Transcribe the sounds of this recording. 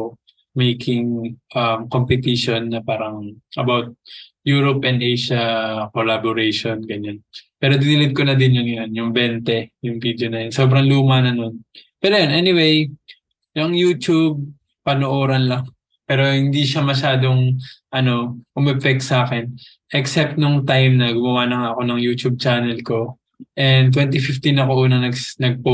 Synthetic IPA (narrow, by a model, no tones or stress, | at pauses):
mejkʰɪŋʔɐmkompɛt̪iʃo̞nːɐpaːɾɐŋʔɐbawt̪̚juːɾopʔɛnd̪ʔejʃɐkolaboɾejʃonɡɐɲanpɛːɾo̞d̪ɪnɪlɪd̪̚konɐd̪ɪnjɐŋjonjʊŋbɛnt̪ɛjʊŋvid̪jo̞nɐjonso̞ːbɾɐŋluːmɐnɐno̞npɛːɾojonʔɛnɪwej | jɐŋjuːt̪ub̚ | pɐnoʔoːɾɐnlɐŋ | pɛːɾo̞hɪnd̪iʃamɐʃaːd̪o̞ŋʔɐno̞ʔʊmɛpɛk̪̚saːkɛn | ʔɛksɛp̚t̪̚noŋt̪ajmnɐɡʊmɐwaːnɐŋaʔɐko̞nɐŋjuːt̪ub̚t͡ʃaːnɛlko̞ | ʔɛnt̪wɛnt̪ifɪft̪inɐko̞ʔuːnɐnɐɡnɐɡ̚po